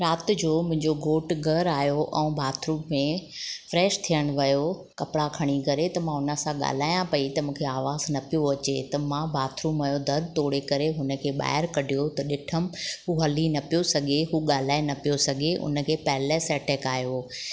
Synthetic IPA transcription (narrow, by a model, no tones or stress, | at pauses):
ɾaːt̪ɪ̆d͡ʑoːmʊ̃ɦɪ̃ɲd͡ʑoɡʱoːʈɡʱɐɾaːjoʔɛ̰̃ːbʱaːt̪ʰɾũːmːẽfɾɛːʃt̪ʰijəɽ̃ʋɐjokɐpɽakʰɐɽ̃ikɐɾet̪ɐmãɦʊnəsãɠa̰ːl̤aːjãpɐit̪ɐmũːkʰeaːʋaːznɐpijoɐt͡ɕet̪ɐmãbʱaːt̪ʰɾuːmɐjod̪ʱɐɾd̪t̪oːɽekɐɾeɦʊnə̆kʰeːɓa̰ːɦɪɾkɐɖʱijot̪ɐɗɪʈʰəm̆ɦuɦɐlinɐpijosɐɡʱeɦuːɠaːl̤aːenɐpijosɐɡʱeʔʊ̰nə̆kʰeːpɐɦlesɛːʈɛːkaːjo